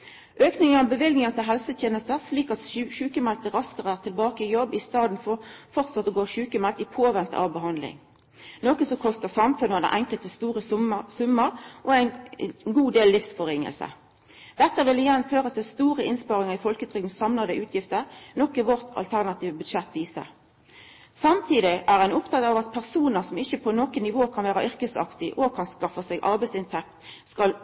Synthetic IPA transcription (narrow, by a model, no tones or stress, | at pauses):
ʔøːknɪŋəʁɔmbəʋɪlɡ̪nɪŋəʁt̪ʰɪlɦɛlsət̪ʰjeːnəst̪əʁsliːkɑt̪ʃʉːkəmɛlt̪əʁɑskəʁəæːʁt̪ʰɪlbɑːkəɪjɔbɪst̪ɑːd̪n̩fɔʁfɔʁt̪sɑt̪ːəɡoːʃʉːkəmɛlt̪ɪpʰoːʋɛnt̪ə̰ʔɑ̰ʋbəɦɑnd̪lɪ̰ŋ | noːkəsɔkʰɔst̪əsɑmfʉnəɔd̪ɛ̰ʔɛŋkəlt̪əst̪uːʁəsʉmːəʁʔɔæɪnɡuːd̪eːllɪfsfɔʁɪŋə̰lsə̰ | d̪̥ɛt̪ːəʋɪlɪjɛnːføːʁət̪ʰɪlst̪uːʁəɪnspɑʁɪŋəʁɪfɔlkət̪ʰʁʏɡ̪n̩sɑmnɑd̪əʔʉːt̪ʰjɪft̪əʁnɔkːɪʋɔʁt̪ʰɑ̰lt̪ʰæʁnɑt̪ʰiːʋəbʉd̪ʃɛt̪ːʋiːsə̰ʁ | sɑmt̪ʰiːd̪ɪʔæʁæɪnɔp̚d̪ʰɑːɡɑːʋɑt̪̚pʰæʁsuːnəʁsɔmɪçːəpʰɔnɔkənɪʋoːkʰɑnʋæːʁɑʔʏʁkəsɑ̰kt̪ɪʔokʰɑnskɑfəseːɡʔɑʁbɛɪsɪnt̪ʰɛk̚t̪skɑl